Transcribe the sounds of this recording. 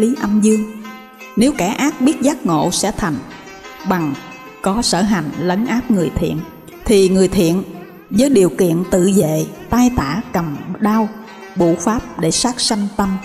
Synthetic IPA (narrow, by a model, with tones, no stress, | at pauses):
li˨˦ʔə˧mzɨ˧əŋ | ne˨˦wka˧˩ʔaː˦˥k̚ɓi˦˥ət̚zaː˦˥t̚ŋo̰˧˨sɛ̰˧˥t̪ʰa˨˩jŋ̟ | ɓa˨˩ŋ | kɔ˨˦sə̰ː˧˩ɦa˨˩jŋ̟lə˨˦ŋʔaː˦˥p̚ŋɨ˨˩əjt̪ʰḭ˧˨ən | t̪ʰi˨˩ŋɨ˨˩əjt̪ʰḭ˧˨ən | zəː˨˦jɗi˨˩əwkḭ˧˨ənt̪ɨ̰˧˨zḛ˧˨t̪aː˧jt̪aː˧˩kə˨˩mɗaː˧w | ɓṵ˧˩faː˦˥p̚ɗe˧˩saː˦˥k̚sa˧jŋ̟t̪ə˧m